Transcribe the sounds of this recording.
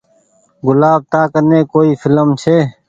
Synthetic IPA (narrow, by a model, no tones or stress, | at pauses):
ɡʊlaːb̚t̪aːkəneːkoːiːfɪləmt͡ʃʰeː